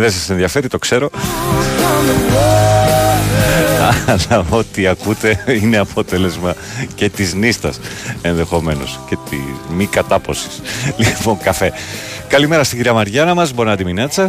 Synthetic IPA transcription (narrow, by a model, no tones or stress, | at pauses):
ðes̬ɐsenðiɐfe̞ɾit̪o̞kse̞ɾo̞ | ɐɐlɐo̞t̪iɐkut̪e̞ineɐpʰo̞t̪e̞le̞zmɐ | ce̞t̪iznist̪ɐ̰se̞nðe̞xo̞me̞no̞̰sce̞t̪ḭmikɐt̪ɐpo̞si̥slipo̞ŋkɐfe̞ | kɐlime̞ɾɐst̪iɟiɾiɐmɐɾʝɐnɐmɐzbo̞nɐd̪iminɐt͡sɐ